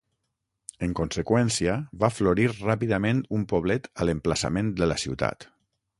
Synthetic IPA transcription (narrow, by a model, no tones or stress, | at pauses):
əŋkonsəkwɛnsiəβafloɾiɾrapiðəmẽnt̪umpoβ̞lɛt̪ələmpləsa̰mẽnd̪ələsiwt̪a̰t̪